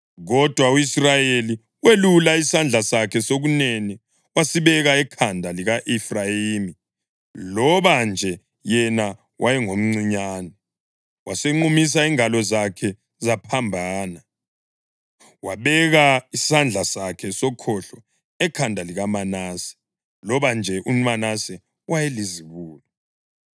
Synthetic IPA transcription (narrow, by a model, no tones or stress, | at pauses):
ɣɔd̥ʱwauisrajeli | welulaisand͡ɮʱasakʰɛsoɣuneni | wasiβɛɣaɛkʰandʱaliɣaʔɛfrajiːmi | lɔβand͡ʒʱɛ | jɛna | wʔajɛŋom̩ŋ͡ǀiɲaːnɛ | waseŋ͡ǃumis̬aiŋalɔzakʰɛ | zapʰambʱaːna | waβɛɣaisand͡ɮʱasakʰɛsɔkʰɔɬɔ | ɛkʰandʱaliɣamanasɛ̥ | lɔβand͡ʒʱɛʔumanasɛ | wajeliziβuːlɔ